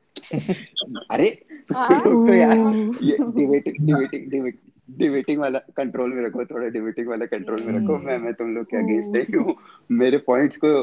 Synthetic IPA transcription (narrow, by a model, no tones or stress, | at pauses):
ɐɾet̪uloːk̪ojaeiʋeʈiŋɖiʋeʈiŋɖiʋ | ɖiʋeːʈiŋɡʋɐlːɐkɐɳʈɾoːlmiɾɐkot̪oːɽɐɖiʋeʈiŋɡʋɐlːɐkɐɳʈɾoːlmiɾɐkomeɐmet̪umloːkeɐɡeːnsʈɐjumeːɾepɔːiɳʈsku